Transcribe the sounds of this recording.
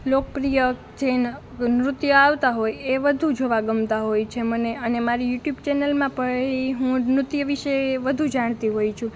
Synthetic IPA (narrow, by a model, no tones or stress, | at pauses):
lok̚pɾijə | d͡ʒen | nɾʊt̪jəaʋt̪aɦojeʋəd̪ʱud͡ʒoʋaɡəmt̪aɦojt͡ʃʰeməneənemaɾijuʈjubt͡ʃɛnəlmãpəɭeiɦũnɾʊt̪jəʋiʃeʋəd̪ʱud͡ʒaɽ̃t̪iɦojt͡ʃʰũ